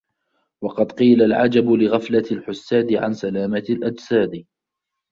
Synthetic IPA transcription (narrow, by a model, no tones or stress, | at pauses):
wɑqɑd̪qiːlalʕad͡ʒabʊlɪɣaflalħʊsːaːd̪ɪʕa̰nsalaːmalʔad͡ʒsaːd̪ɪ